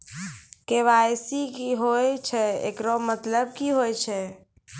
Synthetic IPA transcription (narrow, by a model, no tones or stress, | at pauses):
keʋajsikiɦojt͡ʃʰɛḛkɾomət̪ləb̚kiɦojt͡ʃʰɛ